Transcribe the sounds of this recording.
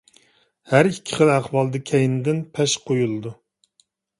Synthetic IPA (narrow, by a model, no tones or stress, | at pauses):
hæɾikʲʰːɪ̥χəlˠæχwɑlˠd̪ɨkʲʰɛjnɪd̪ɪnpʰɛʃqʰojulˠɨd̪u